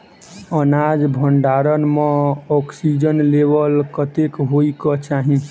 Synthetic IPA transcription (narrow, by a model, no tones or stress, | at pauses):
ənad͡ʒbʱəɳɖaɾənmẽɔksid͡ʒənlebəlkət̪ekɦoikɔt͡ʃaɦĩ